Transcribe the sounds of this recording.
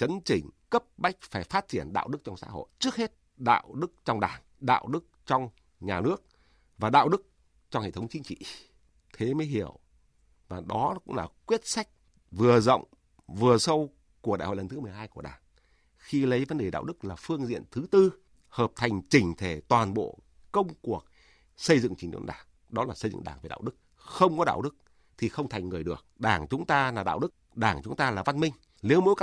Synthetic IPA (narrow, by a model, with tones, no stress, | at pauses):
t͡ɕə˨˦nt͡ɕï˧˩ŋ̟kə˦˥p̚ɓa˦˥jk̟̚faː˧˩jfaː˦˥t̚t͡ɕi˧˩ənɗa̰ː˧˨wɗɨ˦˥k̚t͡ɕɔ˧wŋ͡msa̰ː˧˥ho̰˧˨jt͡ɕɨ˦˥ək̚he˦˥t̚ | ɗa̰ː˧˨wɗɨ˦˥k̚t͡ɕɔ˧wŋ͡mɗaː˨˩ŋ | ɗa̰ː˧˨wɗɨ˦˥k̚t͡ɕɔ˧wŋ͡m | ɲaː˨˩nɨ˦˥ək̚ | vaː˨˩ɗa̰ː˧˨wɗɨ˦˥k̚ | t͡ɕɔ˧ŋ͡mhḛ˧˨t̪ʰwŋ͡mt͡ɕï˨˧˦ŋ̟t͡ɕḭ˧˨ | t̪ʰe˨˦məː˨˦jɦi˧˩əw | vaː˨˩ɗɔ˨˦kʊ̰˧˥ŋ͡mlaː˨˩kwi˦˥ət̚sa˦˥jk̟̚ | vɨ˨˩əzə̰˧˨wŋ͡m | vɨ˨˩əsə˧w | ku˧˩ɗa̰˧˨jho̰˧˨lə˨˩nt̪ʰmɨ˨˩əjɦaː˧jku˧˩əɗaː˨˩ŋ | xi˧lə˨˦jvə˨˦nɗe˨˩ɗa̰ː˧˨wɗɨ˦˥k̚laː˨˩fɨ˧əŋzḭ˧˨ənt̪ʰɨ˨˦t̪ɨ˧ | həː˨˩p̚t̪ʰa˨˩jŋ̟t͡ɕï˧˩ŋ̟t̪ʰe˧˩t̪waː˨˩nɓo̰˧˨ | kə˧wŋ͡mku˨˩ək̚ | sə˧jzɨ̰˧˨ŋt͡ɕï˨˩ŋ̟ɗo̰˧˦nɗaː˧˩ŋ | ɗɔ˨˦laː˨˩sə˧jzɨ̰˧˨ŋ˨ɗaː˧˩ŋvɗa̰ː˧˨wɗɨ˦˥k̚ | xə˧wŋ͡mkɔ˨˦ɗa̰ː˧˨wɗɨ˦˥k̚ | t̪ʰi˨˩xə˧wŋ͡mt̪ʰa˨˩jŋ̟ŋːɨ˨˩əjɗɨ˨˩ək̚ɗaː˧˩ŋt͡ɕʊ˨˦ŋ͡mt̪aː˧laː˨˩ɗa̰ː˧˨wɗɨ˦˥k̚ɗaː˧˩ŋt͡ɕʊ˨˦ŋ͡mt̪aː˧laː˨˩va˧nmï˧ŋ̟ | li˨˦əwmo̰˧˥k